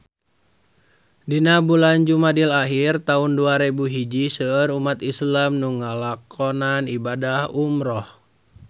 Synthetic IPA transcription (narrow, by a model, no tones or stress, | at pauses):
dinabuland͡ʒumadilaɦirt̪aunduaɾebuɦid͡ʒisəəɾumat̪islamnuŋalakʰɔnanibadahumɾɔh